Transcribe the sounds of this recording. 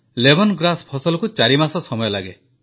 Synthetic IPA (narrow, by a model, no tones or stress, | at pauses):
lebʱɔnɡɾaspʰɔsɔlɔkut͡ʃaɾimasɔsɔmɔjɔlaɡe